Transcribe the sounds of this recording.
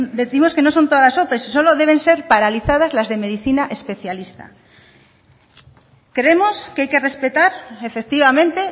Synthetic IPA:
d̪eθimoskenõnsont̪oðalasopessoloðeβ̞ẽ̞nse̞ɾpaɾaliθað̞azlazðemeð̞iθinaʔespeθjalist̪a̰ | kɾemoskeajkerespet̪aɾefek̚t̪iβamẽnt̪e

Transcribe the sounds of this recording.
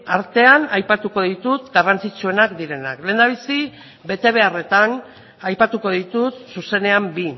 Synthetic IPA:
aɾt̪e̞anajpat̪uko̞ðit̪ut̪ɡarant͡sit͡ʃue̞nakd̪iɾe̞na̰kle̞ːnd̪aβ̞isi | βe̞t̪e̞β̞e̞are̞t̪an | ajpat̪uko̞ðit̪ut̪suse̞ne̞ambi

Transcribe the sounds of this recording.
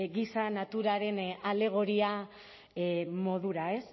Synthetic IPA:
ɡisanat̪uɾaɾe̞nale̞ɣ̞o̞ɾia | mo̞ðuɾae̞s

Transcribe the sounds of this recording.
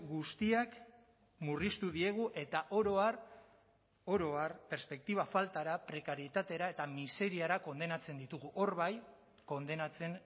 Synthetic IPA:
ɡust̪iak | murist̪uðie̞ɣ̞uʔe̞t̪aʔo̞ɾo̞ar | o̞ɾo̞arpe̞ɾspe̞k̚t̪iβ̞afalt̪aɾapɾe̞kaɾjet̪at̪e̞ɾae̞t̪amise̞ɾiaɾako̞nd̪e̞nat͡se̞nd̪it̪uɣuʔo̞ɾβaj | ko̞nd̪e̞nat͡se̞n

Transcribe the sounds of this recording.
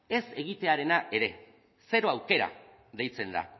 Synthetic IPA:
e̞se̞ɣ̞it̪e̞aɾe̞naʔe̞ɾe̞ | se̞ɾo̞awke̞ɾa̰ | ðe̞jt͡se̞nd̪a̰

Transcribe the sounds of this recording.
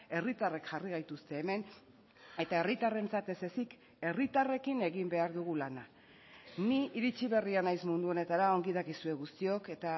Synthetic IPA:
e̞rit̪are̞kʝariɣajt̪ust̪e̞ːme̞n | e̞t̪ae̞rit̪are̞nt͡sat̪e̞se̞sik | e̞rit̪are̞kine̞ɣimbe̞aɾðuɣ̞ulana | niiɾit͡ʃiβ̞e̞rianajsmund̪uo̞ne̞t̪aɾaoŋɡiðakisue̞ɣust̪io̞ke̞t̪a

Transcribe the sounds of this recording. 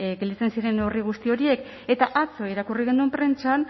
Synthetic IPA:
ɡeld̪it͡se̞nsiɾe̞noriɣ̞ust̪io̞ɾie̞k | e̞t̪aʔat͡so̞iɾakuriɣ̞end̪uempɾe̞nt͡ʃan

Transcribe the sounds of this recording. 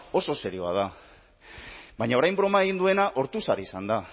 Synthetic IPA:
o̞so̞se̞ɾio̞a̰ð̞a | baɲao̞ɾajmbɾo̞mae̞ɣ̞ind̪ue̞naʔo̞ɾt̪usaɾiisand̪a

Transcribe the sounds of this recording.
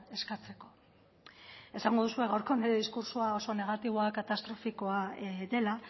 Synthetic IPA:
e̞skat͡se̞ko̞ | e̞saŋɡo̞ðusue̞ɣawɾko̞neɾeðiskuɾsuao̞so̞ne̞ɣ̞at̪iβ̞o̞akat̪ast̪ɾo̞fiko̞aðe̞la

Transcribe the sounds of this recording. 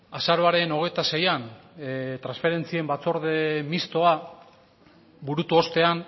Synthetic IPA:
asaɾo̞aɾe̞no̞ɣ̞ejt̪ase̞jan | t̪ɾansfe̞ɾe̞nt͡sie̞mbat͡so̞ɾðemist̪o̞a | buɾut̪uo̞st̪e̞an

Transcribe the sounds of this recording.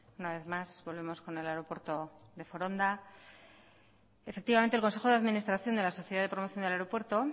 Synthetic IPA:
unaβe̞θmazβo̞lβe̞mo̞sko̞ne̞laeɾo̞pwe̞ɾt̪o̞ðe̞foɾo̞nd̪a | efe̞k̚t̪iβament̪elkonse̞xo̞ðeaðminist̪ɾaθjo̞nd̪e̞laso̞θjeðaðe̞pɾo̞moθjond̪eleɾo̞pwe̞ɾt̪o̞

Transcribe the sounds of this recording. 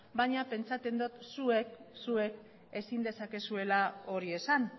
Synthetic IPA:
baɲape̞nt͡sat͡s̪e̞nd̪ot̪sue̞ksue̞k | e̞sind̪e̞sake̞sue̞lao̞ɾie̞san

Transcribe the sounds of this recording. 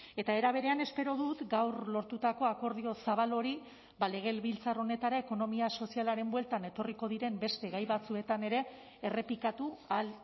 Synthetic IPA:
e̞t̪ae̞ɾaβ̞e̞ɾe̞ane̞spe̞ɾo̞ðut̪ɡawɾlo̞ɾt̪ut̪ako̞ako̞ɾð̞io̞saβalo̞ɾi | bale̞ɣ̞e̞lβilt͡saro̞ne̞t̪aɾaeko̞no̞miaso̞sialaɾe̞mbwe̞lt̪ane̞t̪o̞riko̞ðiɾe̞mbe̞st̪e̞ɣajβat͡sue̞t̪ane̞ɾe̞ː | re̞pikat̪ual

